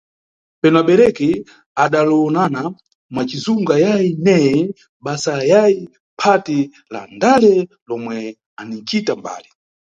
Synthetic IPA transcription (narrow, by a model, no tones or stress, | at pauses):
pɛnɔaɓɛɾɛkɛ | aɗalɔɔnana | mwat͡ʃizuŋɡajainɛjɛ | ɓasajai | pʰati | la̰ndalɛ | lɔmwɛ | anit͡ʃitamba̰ːli